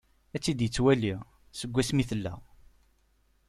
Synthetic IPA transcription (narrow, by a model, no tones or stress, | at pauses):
æt͡sːid̪jət͡sːwæliʁ | səɡʷːæsmiθəlːæ̰ʁ